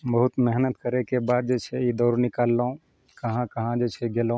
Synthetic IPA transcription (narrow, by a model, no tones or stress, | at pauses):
bɐɦʊt̪mɛɦnət̪kəɾekebaːd̪̚d͡ʒeːt͡ʃʰɛid̪ɔːɾnɪkaːlːõ | kɐɦãkɐɦãd͡ʒeːt͡ʃʰɛɡelõ